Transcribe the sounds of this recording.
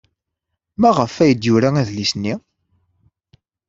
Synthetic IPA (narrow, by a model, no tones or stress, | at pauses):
mæʁəfːæjəd̪jʊɾææðlisnːi